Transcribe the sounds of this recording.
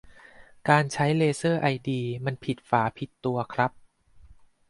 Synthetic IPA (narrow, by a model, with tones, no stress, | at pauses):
kaː˧nt͡ɕʰa˦˥jleː˧sɤː˥˩ʔa˧jdiː˧ma˧npʰi˨˩t̪̚faː˩˦pʰi˨˩t̪ːu˧ɐkʰɾa˦˥p̚